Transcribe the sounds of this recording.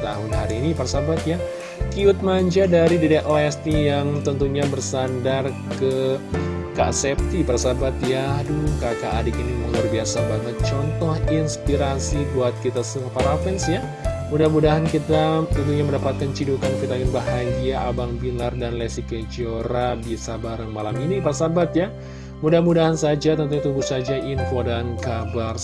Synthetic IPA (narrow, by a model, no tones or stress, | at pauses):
t̪aɦʊnɦaɾiːniparsabat̪ja | kiʊt̪̚maɲd͡ʒadaɾididaʔoɛst̪ijaŋt̪ənt̪uɲabərsandar | kə | ka̰sɛp̚t̪iparsabat̪jadukakaʔːdikinməŋarbiasabaŋət̪̚t͡ʃɔnt̪ɔhinspiɾasibuat̪̚kit̪asəəŋpaɾapɛnsja | mudahmudaɦankit̪aud̪uɲaməndapat̪̚kant͡ʃidukankit̪akanbaɦaɡiaʔa̰baŋbiŋardanlɛsikəd͡ʒoɾabisabaɾəŋmalaminiparsabat̪ja | mudahmudaɦansad͡ʒat̪ənt̪ut̪ubusad͡ʒaʔinfodankabar